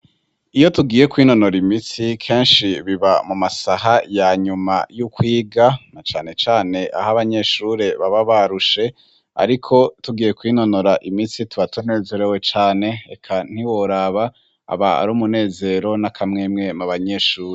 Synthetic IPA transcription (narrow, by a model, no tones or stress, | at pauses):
ijo̞tuɡiːje̞kwiːno̞no̞ɾimit͡sikʰe̞ːnʃiβiβamumasahajaɲuma̰jukwiːɡanat͡ʃaːne̞t͡ʃaːne̞ʔa̰ɦaβaɲe̞ːʃuɾe̞βaβaβaɾuʃe̞ | a̰ɾikʰo̞tuɡiːje̞kwiːno̞noɾaʔimisituβatoneːzeɾewe̞t͡ʃaːne̞ḛkʰan̥iwoɾaβa | a̰βaa̰ɾuːmune̞ːze̞ɾo̞nakʰamŋe̞ːmŋe̞maβaɲe̞ːʃuːɾe